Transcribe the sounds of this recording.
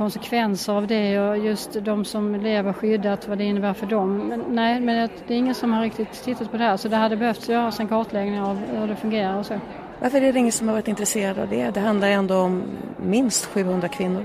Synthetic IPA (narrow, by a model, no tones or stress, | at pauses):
kʰɔnsɛkʰvɛnsəɾavd̪ɛɔjɵst̪d̪ɔmsɔmleːvəɾɧʏd̪ːat̪vad̪ɛɪnːəbæːɾfœɖɔmːɛːɛɪmɛnjɑd̪ɛːɾɪŋːənsɔmhaɾːɪk̚t̪ɪt̪ʰːɪt̪ːat̪̚pʰɔd̪ɛhæːɾʂɔd̪ɛɦad̪ːəbɛhœft̪sjœːɾasɪnkʰɑʈ̪lɛɡnɪŋavhɵd̪ɛfɵŋɡeːɾaɾɔsoː | vaɾfəɾɛɖ̪ɛɪŋːənsɔmhaɾɑːɾɪt̪ɪnt̪ɾɛseːɾad̪a̰vd̪ɛd̪ɛɦand̪laɾɛnd̪oːɔmːɪnst̪ɧʉ̟ːhɵnd̪ɾakʰvɪnːʊɾ